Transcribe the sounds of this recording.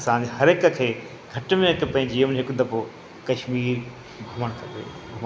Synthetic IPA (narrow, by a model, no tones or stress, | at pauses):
ɐsãːd͡ʑehɐɾɪkə̆kʰeː | ɡʱɐʈmẽɦɪkpɐ̃ɦɪ̃ɲd͡ʑiʊmnɦɪkʊd̪ɐpo | kɐʃmiːɾ | bʱɐməɽ̃kʰɐbḛ | bʱɐm